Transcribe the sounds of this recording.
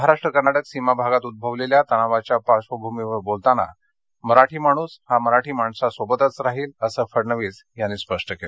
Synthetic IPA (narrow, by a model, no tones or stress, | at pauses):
əɦaɾaʂʈɾəkənaɽəksimabʱaɡat̪ud̪̚bʱəʋleljat̪əɽ̃aʋat͡ɕjapaɕʋəbʱumiʋəbolt̪ana̰ | məɾaʈʰiːməɽ̃uːshaməɾaʈʰiːmaɳsasʋəbət̪at͡sɾaɦiːləsəːfəɽnəʋiːd͡z | janːiːspəʂʈəkel